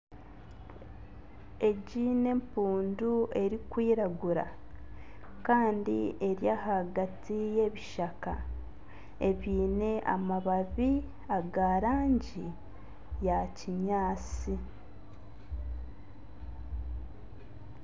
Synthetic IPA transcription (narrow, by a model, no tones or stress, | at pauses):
e̞ɟiːne̞mpuːndue̞ɾikwiːɾaɡuɾa̰ | kaːndie̞ɾjahaɡatije̞βiʃaka̰ | e̞βiːne̞ʔa̰maβaβi | aɡaːɾaːɲɟi | jaciɲaːt͡si